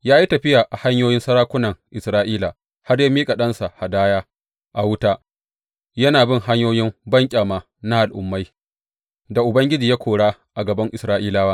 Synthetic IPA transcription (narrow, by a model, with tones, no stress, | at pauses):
jaː˦ji˦tɐ˨ɸɪ˦jaː˨ʔa˨ha˦ɲjoː˦jɪ˦nsɐ˦ɾaː˦kʷʊ˦nɐ˨ŋʔɪ˨sɾaː˦ʔiː˦laː˨ | ha˦rja˦miː˦kʼa˨ɗɐ˦nsa˨ha˨daː˦jaː˦ | ʔa˨wʊ˦taː˦ | jɐ˦naː˨bɪ˦ŋɦa˦ɲjoː˦jɪ˦mbɐ˦ŋkʲʼaː˨maː˨ | na˦ʔa˨lʔʊ̰˨mːa˦j | da˨ʔʊ˨bɐ˦ŋɡʲɪ˦d͡ʒiː˨ja˦kʷoː˨ɽaː˦ʔa˨ɡɐ˨bɐ˦ŋʔɪ˨sɾaː˦ʔiː˦laː˦waː˦